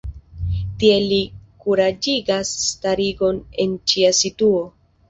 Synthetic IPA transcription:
tie̞likuɾad͡ʒiɡasːtaɾiɡo̞ne̞nt͡ʃiasituo̞

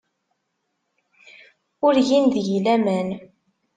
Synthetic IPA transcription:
ʊɾjinðʝlæmæn

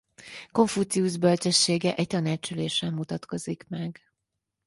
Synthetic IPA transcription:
ko̞ɱfuːt̪siuʒbølt͡ʃɛʃːeːɡɛʔɛc̚t̪ɒnaːt͡ʃuleːʃɛmmːut̪ɒt̪ko̞zikmɛɡ

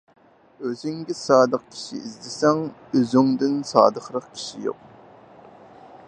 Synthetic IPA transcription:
øzyŋɡʲɪsɑːd̪əqkʲʰi̥ʃḭizd̪ɪsɛŋøzyŋd̪ynsɑ̰ːd̪əχɾəqkʲʰi̥ʃijo̰q

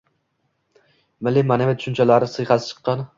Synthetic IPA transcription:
mɪlːimanavɪt̪ʰʊ̥ʃʊnt͡ʃʰalaɾɪsɨjχɑsɪt͡ʃʰɨ̥qːɑn

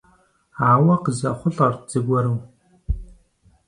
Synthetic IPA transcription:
aːwɐqəzɐχʷʊɮɐrd͡zɨɡʷɔɾɨw

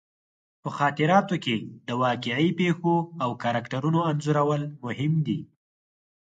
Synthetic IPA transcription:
pəxɑt̪ɪɾɑt̪oked̪əwɑqɪʕipexoawkaɾakʈaɾunoanzuɾawəlmʊhɪmd̪i

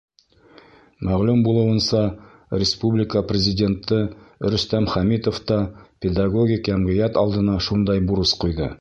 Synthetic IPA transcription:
mæʁlʉmbulˠɤ̆wɤ̆nsɑ | rʲɪspublʲɪkəprʲɪzʲɪdʲe̞nt̪ːɤɾɵ̆st̪æmχæmit̪oft̪ɑpʲed̪aɡo̞ɡʲikjæmʁɘ̆jæt̪ɑlˠd̪ɤ̆nɑʃund̪ɑjbuɾɤsqujðɤ̰

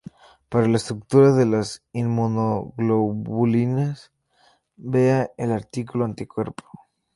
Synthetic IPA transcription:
paɾalaest̪ɾuk̚t̪uɾaðelasinmonoɣloβulinas | be̞aelaɾt̪ikuloant̪ikwe̞ɾpo̥

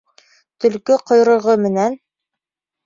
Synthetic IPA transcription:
t̪ɵ̆lkɵqŏjɾɤ̆ʁɤmɘ̆næn

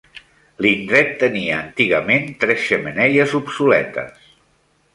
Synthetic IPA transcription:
lind̪ɾɛt̪ːəniəːnt̪iɣəment̪ɾɛsʃəmənɛʎəzupsulɛ̰t̪ə̰s

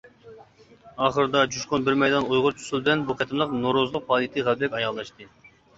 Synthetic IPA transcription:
ɑχəɾɨd̪ɑd͡ʒuʃqonbɪɾmɛjd̪ɑnojʁʊɾt͡ʃʰu̥sulˠbɪlɛnbuqʰɛt̪ʰɪmlˠəqnoɾozɨlˠʊq̚pʰɑːlˠit̪ʰɨʁæbɾɛkʲɑjɑlˠːɑʃt̪ɨ

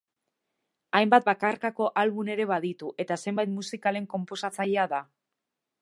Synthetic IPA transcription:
ajmbat̪̚bakaɾkako̞ʔalβune̞ɾe̞βaðit̪uʔe̞t̪ase̞mbajt̪musikale̞ŋko̞mpo̞sat͡saʎe̞aða

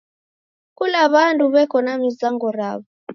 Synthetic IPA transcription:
kulaβanduβɛkɔnamizaŋɡɔɾaβɔ

